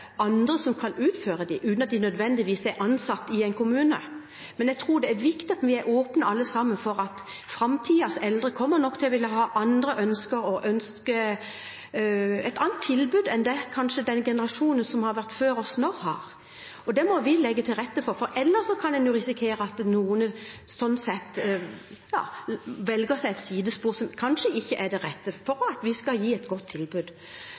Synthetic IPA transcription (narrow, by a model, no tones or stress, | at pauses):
ʔɑnd̪ɾəsɔmkʰɑnʉːt̪føːɾəd̪ɪʔʉːt̪nɑt̪d̪ɪnœd̪ʋɛnd̪ɪʋiːsæʔɑnsɑt̪ːɪɛɪnkʰʊmʉːnə | mɛnjɛɡ̚t̪ʰɾuːɖ̪ɛæɾʋɪkt̪ɪɑt̪ʋɪæɾʔoːpnəɑlːəsɑmːənfɔɾɑt̪fɾɑmt̪ʰiːɑsɛld̪ɾəkʰɔmːəɾnɔkt̪ʰɪlɔʋɪlːəɦɑːʔɑnd̪ɾəʔœnskəɾɔʔœnskə | ɛɪt̪ɑːnt̪ʰːɪlbʉːd̪ɛnd̪ɛkʰɑnʂəd̪ɛnɡɛnəɾɑʂuːnənsɔmhɑɾʋæʁt̪føːɾɔsnɔʁhɑːʁ | ɔd̪ɛmɔʋɪlɛɡːət̪ʰɪlʁɛt̪ːəfɔɾfɔɾɛlːəʂɔkʰɑnd̪ɛnjuːɾɪsɪkʰeːɾəɑt̪nuːənəsɔnːsɛt̪ː | jɑːʋɛlɡəsæɪɛt̪siːd̪əspuːɾsɔmkʰɑnʂəʔɪçːəʔæd̪ɛʁɛt̪ːəfɔɾɑt̪ʋɪskɑljiːɛt̪ɡɔt̪ʰːɪlbʉd̪